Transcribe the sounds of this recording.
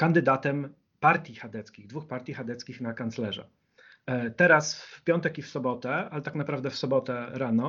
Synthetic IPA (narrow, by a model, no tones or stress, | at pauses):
kand̪ɘd̪at̪ɛm | paɾt̪ʲjixad̪ɛt̪skʲiɣd̪vuxpaɾt̪ʲjixad̪ɛt̪skʲixnakant̪slɛʐɛ̰ | t̪ɛɾasfpʲjɔnt̪ɛkifsɔbɔt̪ɛalɛt̪aknapɾavd̪ɛfsɔbɔt̪ɛɾanɔ